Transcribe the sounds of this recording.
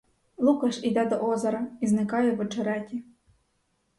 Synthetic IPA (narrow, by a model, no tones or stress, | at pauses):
lˠukɑʃid̪ɛd̪ɔʔɔzɔɾɐiznɪkɑjɛʋɔt͡ʃɔɾɛtʲi